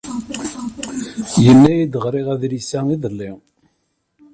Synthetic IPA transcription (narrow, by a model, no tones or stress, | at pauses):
jənːæjid̪əʁɾˤiʁæðɾisæiðəlːi